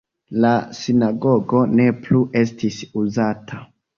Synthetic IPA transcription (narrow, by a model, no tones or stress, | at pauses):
lasinaɡo̞ɡo̞ne̞pluʔe̞stisuzatʰa